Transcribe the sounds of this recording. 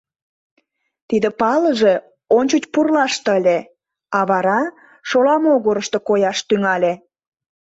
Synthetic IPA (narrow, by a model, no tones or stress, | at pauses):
t̪id̪ə̆pɑləʒe̽ | onʲt͡ɕut͡ɕpurlɑʃt̪əlʲe | ɑβɑɾɑ | ʃolɑmoɣoɾəʃt̪okojɑʃt̪yŋɑlʲe